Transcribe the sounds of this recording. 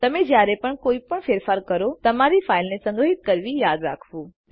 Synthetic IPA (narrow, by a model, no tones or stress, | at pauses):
t̪ɐmẽd͡ʒjaːɾepəɳkoːipəɳfeːɾfaːɾkəɾot̪ɐmaɾifʰaːɪlnesɐ̃ŋɡɾəɦɪt̪̚kəɾʋijaːd̪ɾaːkʰʋũː